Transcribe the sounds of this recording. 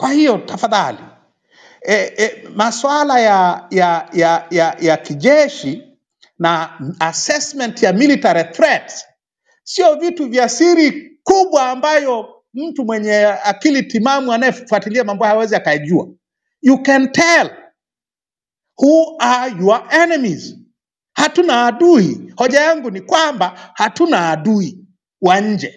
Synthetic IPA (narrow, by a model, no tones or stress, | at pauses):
kwahijɔtafaðali | ɛmaswalajajajajajakiʄɛʃi | naasɛsmɛntjamilitaɾiθɾɛts | siɔvituvjasiɾikuɓwaːmbajɔ | m̩tumwɛɲɛakilitimamuanajɛffwatiliamambɔhaawɛziakajaʄua̰ | jukɛntʰɛl | huajuaʔɛnɛmiz | hatunaːɗuihɔʄajaŋɡunikwambahatunaːɗui | waɲ̩d͡ʒɛ